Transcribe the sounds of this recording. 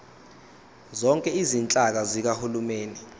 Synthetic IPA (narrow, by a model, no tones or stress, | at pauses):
zɔŋkʼɛizint͡ɬʼak̬azik̬ahulumeːni